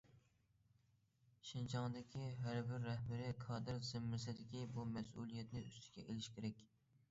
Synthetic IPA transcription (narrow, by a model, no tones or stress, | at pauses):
ʃɪnt͡ʃʰɑŋd̪ɪkʲʰiɦæɾbɪɾːæhbɪɾɪkʰɑːd̪ɨɾzɪmːɪɾsɪd̪ɪkʲibumɛsṵlˠijɛt̪nɪʔyst̪ʰɪ̥ɡʲɛʔelɪʃkʲɪɾɛkʲ